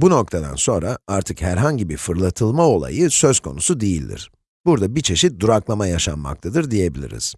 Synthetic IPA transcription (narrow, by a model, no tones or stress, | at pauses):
buno̞k̚t̪ʰad̪a̰nso̞nɾaaɾt̪ʰɯkhæɾɦaɲɟibiɾfɯɾlˠat̪ʰɯlˠmao̞lˠa̰jɯsø̞zkʰo̞nusud̪ejilʲd̪ḭɾ̥ | buɾd̪abit͡ʃʰe̞ʃit̪̚d̪uɾaklˠamajaʃa̰nma̰k̚t̪ʰad̪ɯɾd̪ije̞bilʲḭɾḭz̥